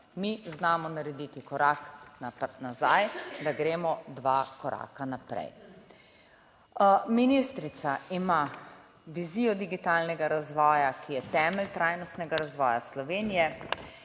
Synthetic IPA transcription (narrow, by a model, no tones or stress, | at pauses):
miznaːmɔnaɾɛd̪it̪ikɔɾaːknanazajd̪aɡɾeːmɔd̪ʋakɔɾa̰ːkanapɾɛ̰j | minist̪ɾit̪saima | ʋiziːjɔd̪iɡit̪aːlnɛɡaɾazʋɔːjakʰijɛt̪ɛːmɛlt̪ɾaːjnɔst̪nɛɡaɾazʋɔːjaslɔʋeːnijɛ